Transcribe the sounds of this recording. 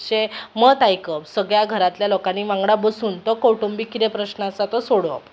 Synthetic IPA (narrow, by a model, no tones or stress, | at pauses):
ɕemət̪ajkəpsəɡɭjaɡʱəɾat̪ljalokaniʋãŋɡɽabəsunt̪ɔkoʈumbikit̪epɾəɕnəəsat̪ɔsoɽʋə̰